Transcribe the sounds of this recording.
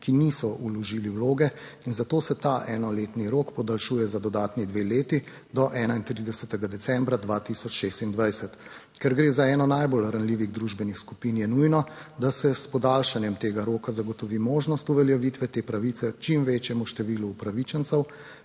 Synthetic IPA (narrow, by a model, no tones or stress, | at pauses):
kinisɔʔulɔʒiːliwloːɡɛ | inzat̪oːsɛt̪aʔɛːnɔleːt̪niɾoːkpɔd̪alʃujɛzad̪ɔd̪aːt̪nid̪ʋeleːt̪i | d̪ɔʔɛːnaint̪ɾid̪ɛsɛt̪ɛɡad̪ɛsɛmbɾad̪ʋaːt̪isɔt͡ʃʃeːst̪ind̪ʋajsɛt̪ | kɛɾɡɾeːzaɛːnɔnajbolɾanliːʋiɣd̪ɾuʒbɛnixskupinjɛnujnɔd̪asɛspɔd̪alʃanjɛmt̪eːɡaɾoːkazaɡɔt̪ɔʋimoːʒnɔst̪uʋɛljaʋit̪ʋɛt̪eːpɾaʋiːt̪sɛt͡ʃimʋeːt͡ʃjɛmuʃt̪ɛʋiːluːpɾaʋit͡ʃɛnsɛw